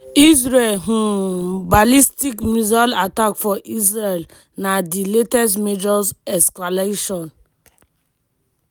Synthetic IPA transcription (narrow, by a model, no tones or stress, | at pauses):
izɾelɦubalistikmuzalatakfɔʔizɹel | nadiletɛstmed͡ʒɔsɛskaleʃɔ̃n